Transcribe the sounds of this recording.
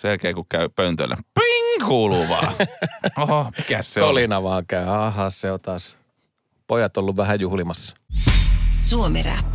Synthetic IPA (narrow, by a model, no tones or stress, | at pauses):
selkeːkukkæypøynt̪ø̰lːæ̰piŋkuːluʋɑ̰ːoikæsseolinɑʋɑːŋkæyɑːɦɑːsseot̪ɑːs | pojɑt̪olːuʋʋæhæjuhlimɑsːɑ̥ | suomeɾæ̰pː